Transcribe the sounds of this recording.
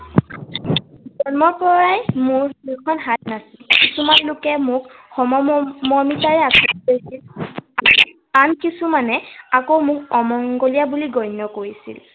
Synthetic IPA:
zɔnmɔpɔɹajmʊɹikʰɔnɦat̚nasilkisumanlʊkɛmʊkxɔmɔmɔmitaɹɛasutojsila | ankisumanɛakowmʊkɔmɔŋɡolijabuliɡɔjnɔkoɹisḭl

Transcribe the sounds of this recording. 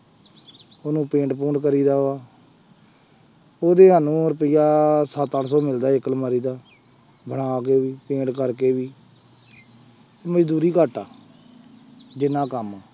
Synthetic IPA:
onũːpẽːɳʈpuːɳkəɾiːd̪aːoaː | oːd̪eːɦaːnũːɾəpɪjaːsət̪ːaːɽsɔːmɪld̪aːɪklmaːɾiːd̪aː | bəɳ̃aːk̬eːʋiːpẽːɳʈkəɾkeːbiː | t̪eməd͡ʒd̪uːɾiːkəʈːaː | d͡ʒɪnːãːkəmaː

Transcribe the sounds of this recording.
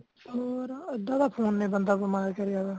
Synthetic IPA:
oːɾəd̪ãːd̪aːpʰoːnːẽːbənd̪aːbəmaːɾkəɾɪjaːd̪aː

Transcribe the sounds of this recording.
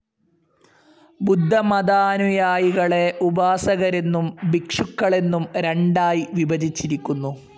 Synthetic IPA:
bud̪ʱːɐmɐd̪anujaːjiɣɐɭe̞ʔubaːsɐɣɐɾe̞nːumbikʂukːɐɭe̞nːumɾeɳɖaːjiʋibɐdit͡ɕːiɾikʲːunːu

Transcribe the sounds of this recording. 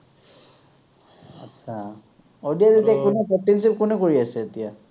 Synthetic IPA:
a̰sʰa | odijazet̪iakʊnɛkɔp̚ʈens̬ip̚kʊnɛkoɹiasɛːt̪ija

